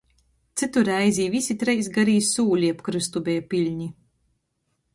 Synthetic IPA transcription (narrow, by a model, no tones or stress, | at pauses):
t̪sɨt̪uɾæjzʲiːvisʲit̪ɾɛjsɡaɾiːssuːlʲiapkɾɨst̪ubʲɛːjpilʲɲi